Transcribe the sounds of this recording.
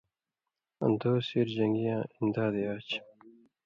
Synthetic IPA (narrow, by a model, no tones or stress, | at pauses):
ɐ̰nd̪oːsiɾd͡ʑɐŋɡijãːind̪aːd̪eaːt͡ɕ